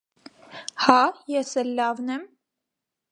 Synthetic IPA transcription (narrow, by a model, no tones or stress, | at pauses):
hɑjɛsɛlːɑvnɛm